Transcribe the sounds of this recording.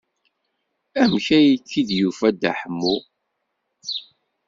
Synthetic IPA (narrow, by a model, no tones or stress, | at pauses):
æmçæjit͡sːiðjufæd̪a̰ħəmːu